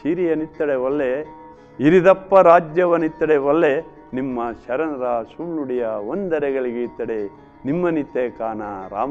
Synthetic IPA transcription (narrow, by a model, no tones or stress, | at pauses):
siːɾijɐnit̪ːɐɽeʋɐlːe | iɾid̪ɐpːɐɾaːd͡ʒjɐʋɐnit̪ːɐɽeʋɐlːe | nimːɐʃɐɾɐnɐɾɐsumnuɽijɐʋond̪ɐɾɛɡɐɭiɡeit̪ːɐɽe | nimːɐnit̪ːekaːnaɾa̰ːm